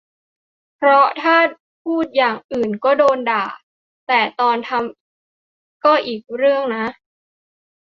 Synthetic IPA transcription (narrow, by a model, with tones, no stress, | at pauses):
pʰɾɔ˦˥t̪ʰaː˥˩ | pʰuː˥˩t̪̚jaː˨˩ŋʔɯː˨˩nkɔː˥˩doː˧ndaː˨˩ | t̪ɛː˨˩t̪ɔː˧nt̪ʰa˧m | kɔː˥˩ʔiː˨˩k̚ɾɯ˥˩əŋna˦˥ʔ